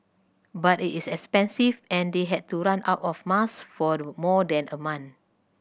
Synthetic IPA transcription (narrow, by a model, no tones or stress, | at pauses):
batitisɛkspɛ̃nsivɛ̃ndeɦɛd̚tuɹãna̰ʊtɔfmasfɔmɔdɛ̃nəmãn